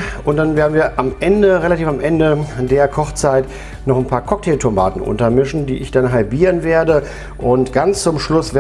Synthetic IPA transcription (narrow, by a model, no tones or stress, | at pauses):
ʔʊnt̚d̥anveːɐdn̩viːɐʔamʔɛndəʁelatiːfamʔɛndədeːɐkʰɔχt͡saɪt | nɔχnpʰaːɐkʰɔk̚tʰeːltʰoma̰ːtn̩ʔʊ̰ntɐmɪʃn̩dḭːʔɪçd̥anɦalbiːʁənveːɐdə | ʔʊntɡ̥ant͡st͡sʊmʃlʊsv̥e